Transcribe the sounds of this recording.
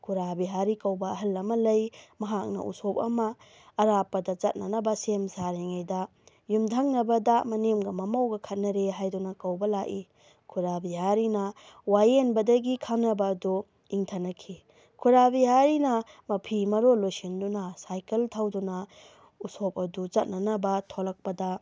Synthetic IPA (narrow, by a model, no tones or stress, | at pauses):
kʰuɾabiɦaɾikɐwbɐːɦɐlːɐmɐlɐjmɐɦak̚nɐ̰ʔṵsop̚ɐmɐː | ɾapːɐdɐt͡ʃɐt̚nɐnɐbɐsemsaɾeŋajdɐ | jumdʰʱɐŋnɐbɐdɐmɐnemɡɐmɐmɐwɡɐkʰɐt̚nɐɾeɦajdunɐkɐwbɐlaki | kʰuɾabiɦaɾinɐ | wajenbɐdɐɡikʰanːɐbɐːdu | iŋtʰɐnɐkʰi | kʰuɾabijaɾinɐ | mɐpʰimɐɾolosindunɐsajkeltʰawdunɐ | usop̚ɐdut͡ʃɐt̚nɐnɐbɐtʰolɐk̚pɐdɐ